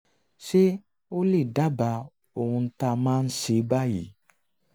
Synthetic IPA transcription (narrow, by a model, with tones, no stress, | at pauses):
ʃe˦ | o˦le˦˨da˦ba˧ | o˨hũ˧n̩˦ta˧mãː˦n̩˦ʃe˨˦ba˦jḭ˨˦